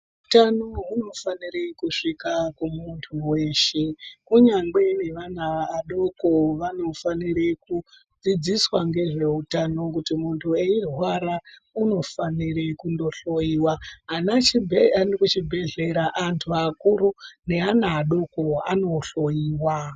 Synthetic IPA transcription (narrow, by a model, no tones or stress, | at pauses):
utanoɦuno̞fanirekuʂikakumuntʰuwe̞ʃekuɲaŋɡe̞ne̞ʋanaːɗo̞koʋano̞faniɾeku | d͡zid͡ziswaŋɡe̞ʐe̞utano̞k̬utimuntʰueirwaɾauno̞fanirekundo̞ɬo̞jiːwaɦanat͡ʃibʱeanikut͡ʃibʱe̞ɮe̞ɾaʔantʰuakuɾune̞anaːɗokoa̰no̞ɬo̞iːwa